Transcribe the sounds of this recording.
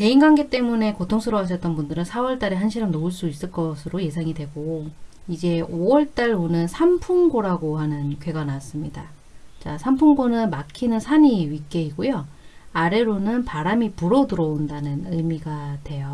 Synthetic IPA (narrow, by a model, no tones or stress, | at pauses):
te̞inɡaŋɡet͈e̞mune̞kotʰoŋsʰɯɾʌɦaɕ̬ʰʌt͈ʌnbundɯɾɯnsʰawʌɭt͈aɾeɦanɕʰiɾʌmnouɭs͈uis͈ɯɭk͈ʌsʰɯɾoje̞sʰaŋidwe̞ɡo | id͡ʑe̞owʌɭt͈aɭonɯnsʰampʰuŋɡoɾaɡohanɯnkwe̞ɡanas͈ɯmɲida | t͡ɕasʰampʰuŋɡonɯnmakʰinɯnsʰaɲiɥik͈e̞iɡojo | aɾe̞ɾonɯnpaɾamipuɾʌduɾʌondanɯnɯmiɡatwe̞jo